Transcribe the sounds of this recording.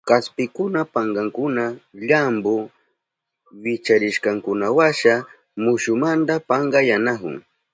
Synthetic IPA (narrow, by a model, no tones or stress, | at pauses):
kaspɪkʊnapaŋɡɑŋkʊnaʎambo | wɪt͡ʃaɾɪʃkɑŋkʊnawaʃa | mʊʃʊmand̪apaɴɢɑjanahʊ̰ŋ